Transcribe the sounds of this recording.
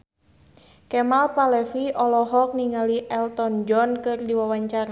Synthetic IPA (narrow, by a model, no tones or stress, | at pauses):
kɛmalpalɛfiʔɔlɔɦɔk̚niŋaliʔɛlt̪ɔnd͡ʒɔnkɨrdiwawaɲt͡ʃaɾa